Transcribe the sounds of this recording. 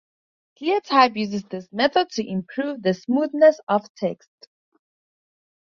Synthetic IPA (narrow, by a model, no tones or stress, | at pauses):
ɡʰiətʰaɪbjʉzɪzðɪsmɛθəd̚tʰɨʔɪ̃mpʰɹ̥uːvðəsmuðnəsəv̥tʰɛkst